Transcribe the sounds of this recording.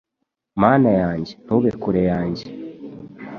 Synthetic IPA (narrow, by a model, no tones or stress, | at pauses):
maːnajaːɲɟenuβekuɾejaːɲɟe